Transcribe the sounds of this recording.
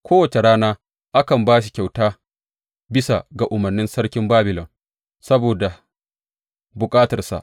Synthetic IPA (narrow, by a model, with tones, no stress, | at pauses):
kʷoː˦wɐ˨t͡ʃe˨ɽaː˦naː˦ | ʔa˦kɐ˨mbaː˦ʃi̥˨kʲa˨wtaː˦ | bɪ˦sa̰˨ɡa˨ʔʊ˨mɐ˨rnɪ˦nsɐ˦ɽkʲɪ˦mbaː˦bɪ˨lɔ˨n | sɐ˦boː˨da˨ | bʊ˨kʼaː˦tɐ˨rsa̰˨ʔ